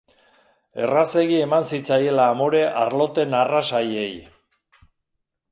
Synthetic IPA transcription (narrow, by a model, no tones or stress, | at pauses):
e̞̰rase̞ɣie̞mansit͡saje̞laːmo̞ɾe̞ʔaɾlo̞t̪e̞narasaje̞j